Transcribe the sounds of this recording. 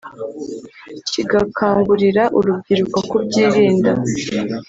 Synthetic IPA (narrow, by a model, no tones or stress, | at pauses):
ciɡakʰaːŋɡuɾiɾaʔuɾub̚ɟiɾukwakubɟiːɾiːnda